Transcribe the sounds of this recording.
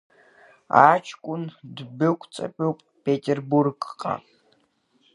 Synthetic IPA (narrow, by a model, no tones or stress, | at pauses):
aːt͡ʃʰkʷʼʊndbɨkʷʰʼt͡sʼɐ̰pʼiwpʼpetʰerburɡqʼa̰